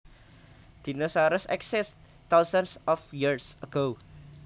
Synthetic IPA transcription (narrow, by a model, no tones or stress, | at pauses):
d̪̥inəsaɾəsɛ̰ksɛs | t̪awsansɔfjiɹsəɡ̥o